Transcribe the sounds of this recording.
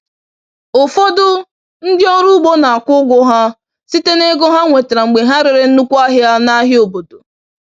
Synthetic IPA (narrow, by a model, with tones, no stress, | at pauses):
o˨fo˦dʊ˦ | n̩˦dɪ˦ɔ˦ɾu˦ɡ͡bo˦na˨a˨kʷʊ˦ɡʷʊ˦ɦa˦ | si˦te˦ne˦ɡo˦ɦa˦ŋʷe˨tɾa˨ŋ͡m̩˨ɡ͡be˨ɦa˦ɾɪ˨ɾɪ˦n̩˦nu˦kʷa˦ɦja˦na˦ɦɪ˦o˨bo˨do˨